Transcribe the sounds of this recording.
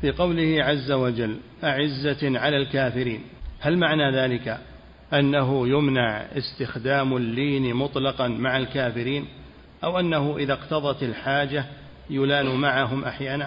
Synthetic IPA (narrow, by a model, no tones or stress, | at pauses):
fiːqɑwlɪhɪʕazːawad͡ʒalːʔaʕɪzːaʕalaːlkaːfɪɾiːnhalmaʕnaːðaːlɪka | ʔanːaɦʊjʊmnaʕɪ̰st̪ɪxd̪aːmalːiːnmʊt̪ˤlɑqɑnmaʕalkaːfɪɾiːn | ʔawʔanːaɦʊʔɪðaqt̪ɑðˤɑt̪ɪlħaːd͡ʒa | jʊlaːnuːmaʕaɦʊmʔaħjaːna